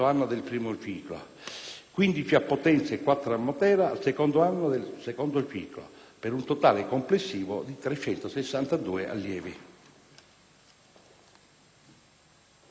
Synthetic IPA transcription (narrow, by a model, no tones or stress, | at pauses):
oanːod̪elpɾiːmot͡ʃiːklo̰ | kwind̪it͡ʃiapːot̪ɛnt̪sekːwat̪ːɾamːot̪ɛːɾasekond̪oanːod̪elsekond̪ot͡ʃiːklo̰peɾunt̪ot̪aːlekomplesːiːvo̰d̪it̪ɾet͡ʃːɛnt̪osesːant̪ad̪uːeʔa̰lːjɛːvi